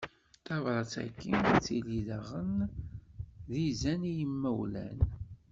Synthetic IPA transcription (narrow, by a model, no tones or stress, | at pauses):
t̪ɑvɾˤɑt͡sæ̰kːint͡sːiliðəʁən | ðizænijəmːæwlæ̰n